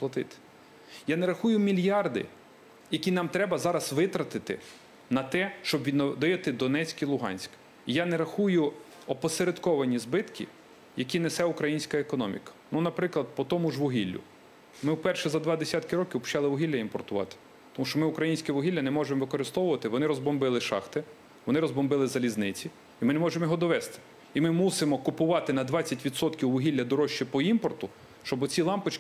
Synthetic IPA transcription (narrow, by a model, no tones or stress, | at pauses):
plˠɐt̪ɪ̰t̪ɪ̥ | janɛɾɐxujʊmʲilʲjɑrd̪ɪ̰ | jɐkʲinɑmt̪ɾɛbɐzɑɾɐsʋɪt̪ɾɐt̪ɪt̪ɪ̰ | nɐt̪ɛʃt͡ʃɔbʋʲid̪nɔd̪ɪjɐt̪ɪd̪ɔnɛt͡sʲkilˠʊɦɑ̰nʲsʲk | ijanɛɾɐxujʊ | ɔpɔseɾed̪kɔʋɐnʲizbɪt̪kʲḭ | jɐkʲinesɛʊkɾɐjinʲsʲkɐekɔnɔmʲḭkɐ̥nunɐpɾɪklˠɐd̪̚pɔt̪ɔmʊʒʋʊɦilʲːʊ̰ | mɪwpɛrʃɛzɐd̪ʋɑd̪esʲɑt̪kɪɾɔkʲiwpt͡ʃɑlˠɪʋʊɦʲilʲːɐimpɔrt̪ʊʋɑ̰t̪ɪ̥ | t̪ɔmuʃt͡ʃɔmɪʊkɾɐjinʲsʲkɛʋʊɦʲilʲːɐnɛmɔʒemɔʋɪkɔɾɪst̪ɔʋʊʋɐt̪ɪʋɔnɪɾɔzbɔmbɪlˠɪʃɑ̰xt̪ɪ | ʋɔnɪɾɔzbɔmbɪlˠɪzɐlʲiznɪt͡sʲi | imɪnemɔʒemɔjɔɦɔd̪ɔʋɛst̪ɪ̥ | imɪmusɪmɔkʊpʊʋɑt̪ɪnɐd̪ʋɑt͡sʲːɐtʲʋʲid̪sɔt̪kʲiwʋʊɦilʲːɐd̪ɔɾɔʃt͡ʃːipɔimpɔrt̪ʊ | ʃt͡ʃɔbʊt͡sʲilˠɑmpɪt͡ʃ